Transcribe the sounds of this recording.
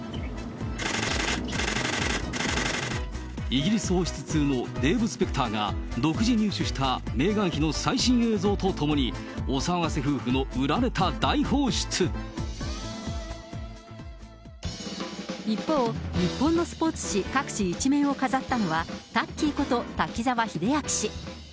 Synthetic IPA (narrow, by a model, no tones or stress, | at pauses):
iɡʲiɾʲisɨho̞ːɕi̥t͡sɨ̥t͡sɨːno̞d̪e̞ːbɯ̟sɨ̥pe̞kɯ̥t̪aːɡa̰d̪o̞kɯ̟ʑiɲ̟ɨːɕɨɕi̥t̪ame̞ːɡãɰ̃çino̞saiɕĩɰ̃e̞ːzo̞ːt̪o̞t̪ʰo̞moɲ̟i | osaɡaseɸɯ̟ːɸɯ̟no̞ɯ̟ɾaɾe̞t̪ad̪aiho̞ːɕi̥t͡sɨ | ipːo̞ːɲ̟ipːõ̞nːo̞sɨ̥po̞ːt͡sɨ̥ɕikakɯ̟̥ɕiːt͡ɕimẽ̞ɰ̃o̞kazat̪ːano̞βat̪akʲːiːko̞t̪o̞t̪akʲizaβaçid̪e̞jakɯ̟̥ɕi